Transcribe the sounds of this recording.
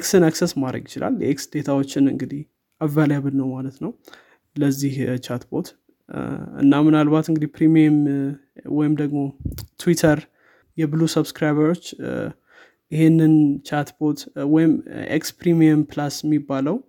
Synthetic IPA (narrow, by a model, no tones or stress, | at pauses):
eksɨnaksesmad̪ɾə̰ɡjɪt͡ʃɪlʔa̰ljɛ̰ʔeksd̪̥e̞t̪ʰawot͡ʃːɪnɨ̰ŋɡɨd̪ih | ʔavaljaβɨlnəwmalət̪nəw | ləzːiht͡ʃʰat̪bo̞t̪ | ɨ̰nːamɨnalbat̪ɨŋɡɨd̪ihpʰɾimiəm | wɔjɪmd̪əɡmo̞t̪ʰwit̪ʰəɾ | jɛbɨlusəbskɾajβəɾo̞t͡ʃː | ɪhenːɨnt͡ʃʰat̪bo̞t̪wɔjɪmʔḛkspɾimiəmplasjɛmːibːaləw